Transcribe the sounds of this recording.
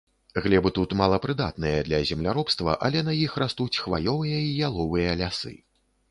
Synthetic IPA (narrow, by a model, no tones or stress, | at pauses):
ɣlʲɛbɨt̪ut̪malˠɐpɾɨd̪a̰t̪̚nɨjɐd̪lʲɐzʲɛmlʲaɾɔpst̪vɐ̰ʔɐ̰lʲɛnɐjixrast̪ut͡sʲxva̰jɔvɨjɐijalˠɔvɨjɐlʲasɨ̰